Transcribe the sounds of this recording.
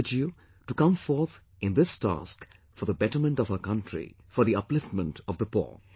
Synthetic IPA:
d͡ʒju | ʈukʌ̃mfɔɾt̪ʰ | ɪ̃nd̪ɪstæ̰sk | fɔɾðəbɛʈə˞mə̃ntɔv̥əkʌ̃ntʰɹḭ | fɔɾðiʌplɪftmə̃ntɔvd̪əpɔ̰

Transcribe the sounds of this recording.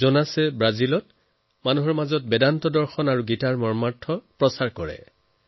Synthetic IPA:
zɔnasɛbɹazilɔt̚ | manuɦɔɹmazɔt̚bɛdantɔdɔɹxɔnaɹuɡitaɹmɔɹmaɹtʰːɔpɹɔsaɹkɔɹɛ̰

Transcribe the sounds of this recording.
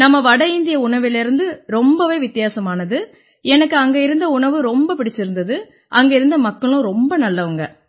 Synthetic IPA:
nɐmːɐʋɐɽɐɪnd̪ɪjɐʊɳɐʋɪlɪɾɯnd̪ɯɾɔmbɐʋeːʋɪt̪ːɪjaːsɐmaːnɐðɯ | ɛnɐkːɯɐŋɡɐɪɾɯnd̪ɐʊɳɐʋɯɾɔmbɐpɪɽɪt͡ʃːɪɾɯnd̪ɐðɯ | ʔɐŋɡɐɪɾɯnd̪ɐmɐkːɐɭʊ̃ɾɔmbɐnɐlːɐʋɐŋɡɐ

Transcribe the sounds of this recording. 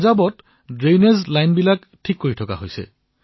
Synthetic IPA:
zabɔt | dɹejnezlajnbilak | tʰikːoɹitʰɔka̰ɦojsɛ̰

